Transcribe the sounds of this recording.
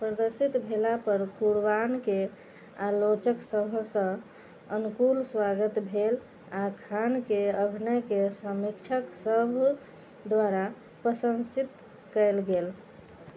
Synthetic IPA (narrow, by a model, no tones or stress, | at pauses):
pɾəd̪əɾsit̪bʱelapəɾkuɾbanke | alot͡ʃəksəbʱsə̃ | ənukulswaɡət̪bʱel | akʰankeəbʱnəkesəmikt͡ʃʰəksəbʱ | d̪waɾa | pɾəsə̃nsit̪ | kəelɡel